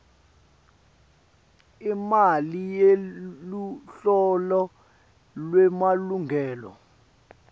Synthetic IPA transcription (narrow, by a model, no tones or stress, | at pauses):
imalijeluɬɔlɔ | lwɛmaluŋʱɛːlɔ̰